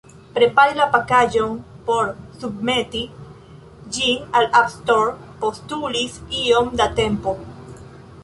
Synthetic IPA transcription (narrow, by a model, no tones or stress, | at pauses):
pɾe̞paɾilapakaʒo̞npo̞ɾsubme̞ti | d͡ʒinalapstoɾpo̞stulisio̞mdate̞mpo̞